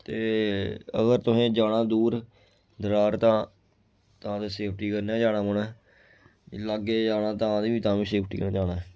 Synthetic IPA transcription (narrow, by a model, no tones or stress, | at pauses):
t̪eː | ə̰ɡəɾt̪ʊsẽːd͡ʒaːɽãːd̪uːɾ | d̪əɾaːɾt̪ãː | t̪ãːt̪eːseːp̚ʰʈiːkəɾnɛːd͡ʒaːnãːmʊɳɛː | laːɡeːd͡ʒaːnãːt̪ãːd̪iːʋiːt̪ãːʋiːseːpʰʈiːkənãːd͡ʒaːna